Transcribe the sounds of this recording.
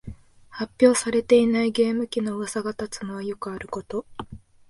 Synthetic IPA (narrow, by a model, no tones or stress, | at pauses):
hapʲːjo̞ːsaɾe̞t̪e̞inaiɡe̞ːmɯ̟kʲino̞βasaɡat̪at͡sɨmoβajo̞kɯ̟aɾɯ̟ko̞t̪o̞